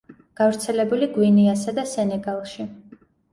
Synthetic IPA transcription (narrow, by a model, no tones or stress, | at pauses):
ɡ̥avɾt̪sʰɛlɛbuliɡwiniasad̪asɛnɛɡalˠʃi